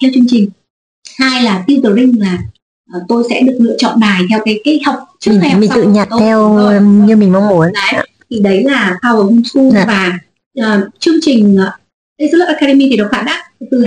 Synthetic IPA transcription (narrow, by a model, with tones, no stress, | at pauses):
t̪ʰɛ˧wt͡ɕɨ˧əŋt͡ɕï˨˩ŋ̟ | haː˧jlaː˨˩t̪i˧wt̪ɨ˨˩lï˧ŋ̟laː˨˩ | ʔːt̪o˧jsɛ̰˧˥ɗɨ˨˩ək̚lɨ̰˧˨ət͡ɕɔ̰˧˨nɗaː˨˩jt̪ʰɛ˧wkaː˨˦jkaː˨˦jha˨˩wk͡p̚t͡ɕɨ˦˨˥mi˨˩t̪ɨ̰˧˨˩ɲa˨˩t̚t̪ʰɛ˧wɲɨ˧mi˨˩ŋma˧wŋ͡mmu˨˦əna˨˦j | t̪ʰi˨˩ɗə˨˦jlaː˨˩t̪ʰaː˧˩wo˨˩hʊ˧˩ŋ͡msu˧vaː˨˩ | ʔəː˨˩t͡ɕɨ˧əŋt͡ɕï˨˩ŋ̟ː˨˩ | ka˨˦jzɨ˧˦˥lə˦˩p̚ʔaː˧ka˧ɗe˧mi˧i˨˩ɗə˨˩w̚xaː˧˩nɗaː˦˥t̚t̪ɨ˨˩